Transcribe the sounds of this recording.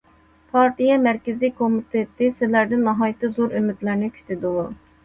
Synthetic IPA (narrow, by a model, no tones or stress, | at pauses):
pʰɑɾt̪ʰijɛmæɾkʲɪzikʰomit̪ʰet̪ʰɪsɪlæɾd̪ɪnːɑɦɑːjt̪ʰɨzoɾømyd̪læɾnɪkʲʰy̥t̪ʰyd̪ulˠu